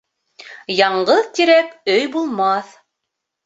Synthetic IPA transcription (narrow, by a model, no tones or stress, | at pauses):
jɑɴɢɤðt̪iɾækɵjbulˠmɑθ